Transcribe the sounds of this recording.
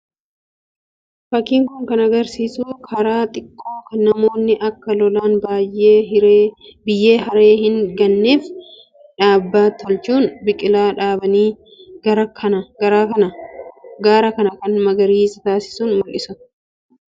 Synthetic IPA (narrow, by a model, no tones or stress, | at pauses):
fɐkːiːŋkʊŋkɐnɐɡɐɾsiːsuːkʰɐɾaːt̪ʼɪkʼːo̞ːkɐnɐmo̞ːnːɪʔɐkːɐlɔlaːnbaːjʔeːɾebɪjːe̞ːɦɐɾe̞ːhɪŋɡɐnːeːf | ᶑaːbːaːt̪ʰɔlt͡ʃuːnbɪkʼɪlaːᶑaːbɐniː | ɡɐɾɐkʰɐɐɡɐɾaːɐnɐɡaːɾɐkɐnɐkɐnmɐɡɐɾiːst̪aːsɪ̥suːnmʊlʔɪsʊ